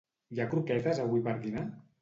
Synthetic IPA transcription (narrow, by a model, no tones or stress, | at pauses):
jakɾukɛt̪əzaβipəɾðina